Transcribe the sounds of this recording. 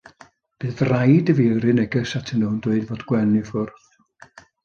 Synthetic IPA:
b̥ɨːðrajdəviɾɨnɛɡəsatʰəndəndwʊɨdvoːdɡwɛnifʊrθ

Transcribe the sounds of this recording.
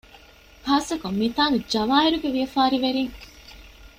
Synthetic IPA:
haːsɐkomːit̪aːnud͡ʒɐʋaːɦiɾuɡeʋijɐfaːɾiʋeɾiŋ

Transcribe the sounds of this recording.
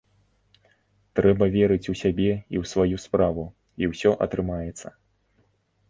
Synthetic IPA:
t̪ɾɛbɐvʲɛɾɨt͡sʲusʲabʲɛiwsvajuspɾavu | iwsʲɔʔɐ̰t̪ɾɨmajɛt̪sːɐ

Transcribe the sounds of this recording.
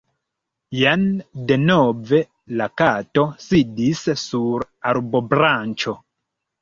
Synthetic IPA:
jande̞nove̞ | lakato̞sidissuɾ | aɾbo̞bɾant͡ʃo̞

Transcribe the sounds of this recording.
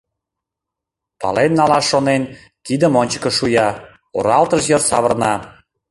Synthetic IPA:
pɑ̰lenːɑlɑʃːonen | t̪id̪əmonʲt͡ɕə̥̆kə̆ʃujɑ | o̰ɾɑlt̪əʃjərsɑβə̆rnɑ

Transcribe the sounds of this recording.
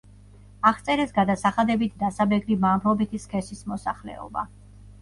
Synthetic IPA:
aχt̪sʼɛɾɛsɡad̪asaχad̪ɛbit̪ʰd̪asabɛɡɾimambɾɔbit̪ʰiskʰɛsismɔsaχlɛ̰ɔ̰ba̰

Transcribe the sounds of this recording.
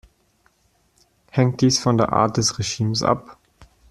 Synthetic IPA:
hɛŋt̚d̥iːsfɔndeːɐʔa̰ːɐt̚d̥ɛsʁeʒiːmsʔa̰p

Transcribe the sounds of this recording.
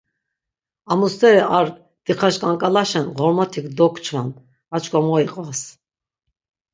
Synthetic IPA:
amust̪ɛɾiaɾ | d̪̥iχaʃkʼaŋkʼalaʃɛnʁɔɾmat̪ʰikʰd̪ɔkʰʼt͡ʃʰva̰n | at͡ʃʼkʼɔmɔiqʼvas

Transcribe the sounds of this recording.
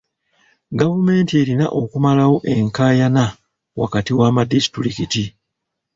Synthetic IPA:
ɡavume̞ːntie̞ɾina̰ʔo̞kumalawo̞ʔe̞ŋkaːjana | wa̰katiwamadisi̥tuɾikiti

